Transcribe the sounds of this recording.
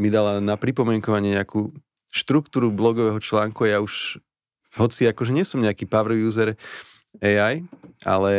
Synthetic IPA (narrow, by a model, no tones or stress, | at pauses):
mid̪alanapɾipɔmɛŋkɔʋaɲɪɛɲɛakuː | ʃt̪ɾukt̪uːɾublɔɡɔʋɛːɦɔt͡ʃlaːŋkuajaːuʃ | ɦɔt͡siakɔʒɛɲɪɛsɔmɲɛakiːpaʋɾjuːzɛɾ | ɛjajʔa̰lɛ